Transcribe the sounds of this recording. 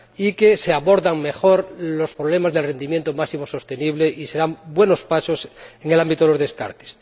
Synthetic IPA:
ikeseaβoɾðaŋme̞xo̞ɾlo̞spɾoβle̞mazðelre̞nd̪imjẽnt̪omaksimoso̞st̪e̞niβleʔise̞ɾambwe̞no̞spaso̞seŋelambit̪oelozðe̞ska̰ɾt̪e̥s

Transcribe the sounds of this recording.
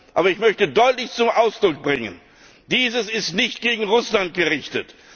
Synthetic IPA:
ʔaːbɐɪçmœçtədɔʏtlɪçt͡sʊmʔaʊsd̥ʁʊk̚b̥ʁɪŋə̰n | d̥iːzəsɪstnɪçt̚ɡ̥eːɡŋ̩ʁʊslant̚ɡ̥əʁɪçtət

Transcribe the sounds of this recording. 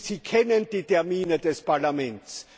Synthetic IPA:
sikʰɛnənd̥iːtʰɛɐmiːnədɛspaɐlamɛnts

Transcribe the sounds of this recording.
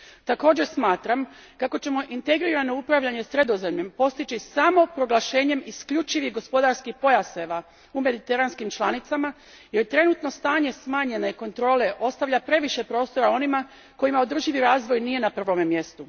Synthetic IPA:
t̪ako̞ːd͡ʑe̞ɾsmaːt̪ɾam | kako̞t͡ɕe̞mo̞ʔint̪e̞ɡɾiɾano̞upɾaʋʎaɲe̞sɾe̞d̪o̞ze̞mʎe̞mpo̞st̪it͡ʃisamo̞pɾo̞ɡlaʃe̞ːɲe̞miskʎut͡ʃiʋihɡo̞spo̞d̪aɾskixpo̞jaseʋa | ume̞d̪it̪e̞ɾanskimt͡ʃlˠanit̪sama | jeɾt̪ɾe̞nut̪no̞st̪aːɲe̞smaːɲe̞naiko̞nt̪ɾo̞ːle̞ʔo̞st̪aʋʎapɾe̞ʋiʃe̞pɾo̞ːst̪o̞ɾao̞nima | ko̞jimao̞d̪r̩ʒiʋiɾaːzʋo̞jnije̞napr̩ʋo̞memje̞st̪u

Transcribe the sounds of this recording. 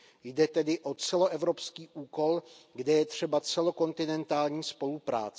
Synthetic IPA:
jdɛt̪ɛdɪʔo̞t͡sɛlo̞ʔɛvɾo̞pskiːʔuːko̞lɡdɛjɛt̪r̝̥ɛbat͡sɛlo̞ko̞nt̪ɪnɛnt̪aːlɲiːspo̞lupɾa̰ːt͡sɛ

